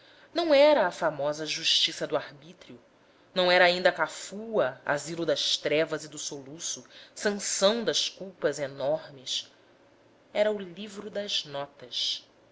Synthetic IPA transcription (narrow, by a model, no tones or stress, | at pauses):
nɐ̃w̃ɛɾɐːfamɔzɐʒuʃt͡ʃisɐd̪ʊahbit̪ɾjʊ | nɐ̃w̃ɛɾɐːĩnd̪ɐkafuɐa̰zilʊd̪ɐʃt̪ɾɛvɐzɪd̪ʊsolusʊsɐ̃sɐ̃w̃d̪ɐʃkuwpɐzenɔɾmɪs | ɛɾɐʊlivɾʊd̪ɐznɔt̪ɐʃ